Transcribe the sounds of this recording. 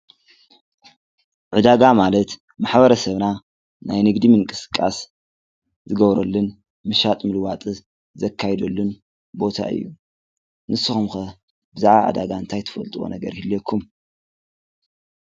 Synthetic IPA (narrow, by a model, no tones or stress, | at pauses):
ʕɨd̪aɡamalɐt̪ | maħbɐɾɐsɐβna | najnɨɡd̪imɨŋkʼɨsɨ̥kʼːa̰s | zɨɡɐβɾɐlːɨn | mɨʃat̪ʼmɨlwat̪ʼɨ | zɐkʰːajd̪olːɨn | bo̞t̪ʰa̰ɨ̰jːu | nɨsɨxumxɐ | bɨzaʕβaʕa̰d̪a̰ɡaɨnt̪ʰajt̪ʰɨ̥fɐlt̪ʼuwo̰nɐɡɐ̰ɾhɨlːɐkʰːum